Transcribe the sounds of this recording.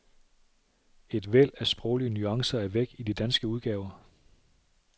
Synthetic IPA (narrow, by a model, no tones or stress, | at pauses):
e̝d̥ʋel̰æsb̥ʁɔʊliənyɑ̈ŋsɐæɐʋeɡ̥id̥id̥ænsɡ̥əuð̞ˠɡ̥ɛːʊɐ